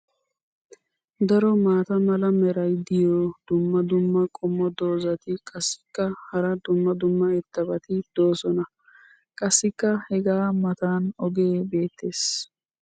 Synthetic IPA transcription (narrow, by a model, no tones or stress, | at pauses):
d̪ɐɾɔmaːt̪ɐmɐlɐmɛɾɐjd̪ɪjɔd̪̥ʊmːɐd̪ʊmːɐkʼɔmːɔd̪o̞ːzɐt̪ɪkʼɐsːɪ̥kːɐhɐɾɐd̪ʊmːɐd̪ʊmːɐɛt̪ːɐbɐt̪ɪd̪̥o̞ːsɔnɐ | kʼɐsːɪkːɐhɛɡaːmɐt̪aːnɔɡe̞ːbe̞ːt̪ːe̞ːs